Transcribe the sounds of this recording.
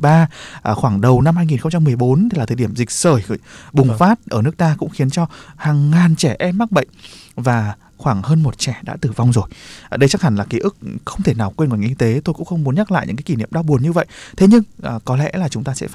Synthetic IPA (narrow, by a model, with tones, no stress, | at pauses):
ɓaː˧ʔxwaː˧˩ŋɗə˨˩wna˧mhaː˧jŋi˨˩nxə˧wŋ͡mt͡ɕa˧mːɨ˨˩əjɓo˨˦nʰi˨laː˨˩˨ɗi˧˩əmzi˨˩k̟̚səː˧˩jɓʊ˨˩ŋ͡mfaː˦˥t̚ʔəː˧˩nɨ˦˥ək̚t̪aː˧kʊ̰˧˥ŋ͡mxi˨˦nt͡ɕɔ˧haː˨˩ŋːaː˨˩nt͡ɕɛ˧˩ʔɛ˧mːa˦˥k̚ɓə̰˧˨jŋ̟vaː˨˩ | xwaː˧˩ŋhəː˧nmo˨˩t̚t͡ɕɛ˧˩ɗa̰ː˧˥t̪ɨ˨˩va˧wŋ͡mzo˨˩jɗə˧jt͡ɕa˦˥k̚ha˧˩ŋ̟laː˨˩ki˨˦ʔɨ˦˥k̚xə˧wŋ͡mt̪ʰe˧˩naː˨˩wkwe˧nŋɔ˨˩ŋʔi˧t̪e˨˦t̪o˧jkʊ̰˧˥ŋ͡mxə˧wŋ͡mmu˨˦ənɲa˦˥la̰ː˧˨jɨ̰˧˥kaː˨˦ki˧˩nḭ˧˨əmɗa˧wɓu˨˩ənɲɨ˧və̰˧˨jt̪ʰe˨˦ɲɨ˧ŋʔkɔ˨˦lɛ̰˧˥laː˨˩t͡ɕʊ˨˦ŋ͡mt̪aː˧sɛ̰˧˥